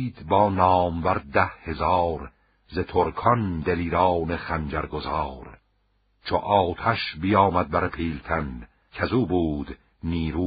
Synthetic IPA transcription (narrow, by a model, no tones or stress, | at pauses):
d̪bɒːnɒːmvæɾd̪æhhe̞zɑːɾ | zet̪ʰoɾkʰɒnd̪eliːɾɑːneχænd͡ʒæɾɡozɑːɾ | t͡ʃʰoʔɒːt̪ʰæʃbijɑːmæd̪̚bæɾepʰiːlt̪ʰæn | kʰæzuːbuːd̪̥ | niːɾuː